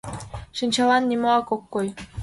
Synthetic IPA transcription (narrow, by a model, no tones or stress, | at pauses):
ʃɘnʲt͡ɕɑlɑnːimoɑkokːoj